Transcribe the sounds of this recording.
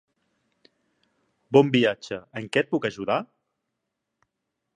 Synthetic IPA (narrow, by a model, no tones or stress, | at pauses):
bɔmbiad͡ʒəəŋkɛt̪̚pukəʒuða